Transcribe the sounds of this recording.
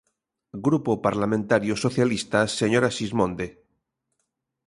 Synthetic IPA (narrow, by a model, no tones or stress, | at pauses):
ɡɾupopaɾlamẽnt̪aɾjosoθjalist̪aseɲoɾaʃizmõnd̪e